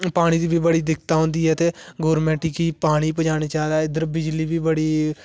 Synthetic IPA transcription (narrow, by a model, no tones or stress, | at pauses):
paːɽ̃iːd̪iːbʱiːbəɽiːd̪ɪkʰt̪aːɦõːnd̪iːɛːt̪eːɡoːɾmɛ̃ːʈikiːpaːɽ̃iːpəd͡ʒaːɽiːt͡ʃaːd̪aːɪd̪əɾbɪd͡ʒliːbiːbəɽiː